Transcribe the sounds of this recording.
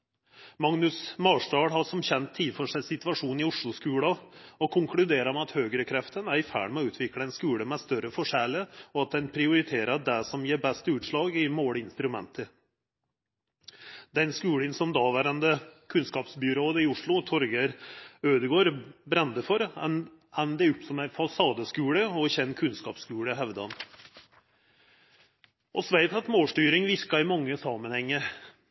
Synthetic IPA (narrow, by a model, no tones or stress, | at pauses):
mɑŋnʉsmɑːʂʈɑːɽɦɑʂɔmçɛnt̪ʰːɪːfɔʂæɪsɪt̪ʋɑʂuːnɪʊʂɭʊskʉːɽɑɔkʰʊŋkʰɽʉd̪eːɾəɾmɛɑt̪høːɡəɾəkʰɾɛft̪ənæɾɪfæ̰ːɽmɛɔʉːt̪ʰʋɪkləɛnskʉːɽəmɛst̪œɾəfɔʂɛləɔɑt̪̚d̪ɛnpʰɾɪʊɾɪt̪ʰeːɾəd̪æsɔmjeːɾbɛst̪əʉːt̪ʂɭɑːɡɪmoːɽɪnst̪ɾʉmɛ̰nt̪ʰə | d̪ɛnskʉːɽənsɔmd̪ɑːʋæɾənd̪əkʰʉnskɑːpsbʏɾoːd̪əɪʊʂɭʊt̪ʰɔɾɡəɾøːd̪əɡoːɾbɾɛnd̪əfɔɾ | ɛnːd̪ɛʉpsɔmæɪfɑsɑːd̪əskʉːɽəɔçɛnːkʰʉnskɑ̰ːpskʉːɽəɦɛʋd̪ɑn | ɔsʋæɪt̪ɑt̪moːlʂʈyːɾɪŋʋɪɾkɑɪmɑŋːəsɑːmənhɛŋːəɾ